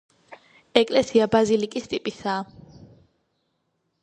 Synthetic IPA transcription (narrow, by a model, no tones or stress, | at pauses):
ɛkʼlɛsiabazilikʼist̪ʼipʼisaː